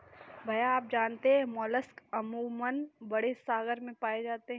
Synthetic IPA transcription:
bʱɐjaaːp̚d͡ʒaːnt̪eɦɛ̃mɔːləskɐmumənbɐɽesaːɡəɾmẽpaːed͡ʒaːt̪eɦɛ

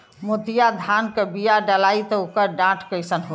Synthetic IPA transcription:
mot̪ijad̪ʱankəbijaɖəlait̪ɔokəɾɖãʈʰkəjsənɦo

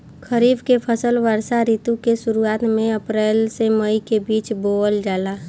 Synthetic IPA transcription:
kʰəɾiːbkepʰəsəlʋəɾsaɾit̪ũkesʊɾuaːt̪mẽəpɾeːlseməikebiːt͡ʃboːəld͡ʒaːla

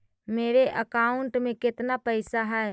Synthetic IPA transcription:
meːɾeʔəkaːʊɳʈmẽkɪt̪napɛɪsaɦɛː

